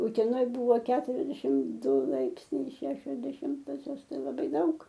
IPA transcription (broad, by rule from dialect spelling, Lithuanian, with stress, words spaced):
ʊtʲɛˈnoːj ˈbuːʋoː kʲɛtʊrʲɛzʲˈdʲæːʃʲɪm ˈdʊ ˈlˠɐɪpʲsʲnʲɛɪ ɪ ˈʃʲæːʃʲoːs dʲɛˈʃʲɪmtoːsʲoːs lˠɐˈbɐɪ ˈdɐʊk